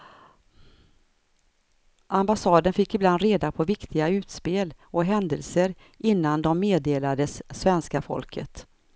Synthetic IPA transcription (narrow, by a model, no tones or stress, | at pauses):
ʔambasɑːd̪ənfɪkːɪbland̪ɾeːd̪apʰɔvɪkt̪ʰɪɡaʉ̟ːt̪speːlɔɦɛnd̪ə̰lsəɾ | ʔɪnːand̪ɔmːeːd̪eːlad̪əsːvɛnskafɔ̰lkʰə̰t̪